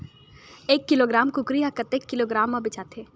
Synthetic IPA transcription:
eːkːɪloːɡɾaːmkʊkɾɪjakɐt̪ekːɪloːɡɾaːmːabɪt͡ʃaːt̪ʰeː

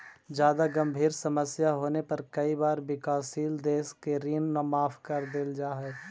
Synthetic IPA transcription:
d͡ʒjaːd̪aɡɐ̃mbʱiːɾsɐməsjaɦoːnepɐɾkɐibaːɾbɪkaːsiːld̪eːskeɾiːnnamaːfʰkɐɾd̪eld͡ʒaːɦɛ

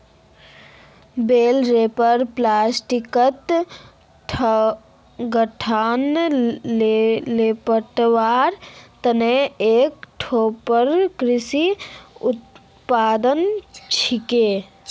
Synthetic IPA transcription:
beːlɾeːpəɾplaːsʈikət̪ | ʈʰ | ɡəʈʰaːnllepəʈʋaːɾt̪əneeːkʈʰoːpəɾkɾɪsiʊt̪ | paːd̪ənt͡ʃʰikeː

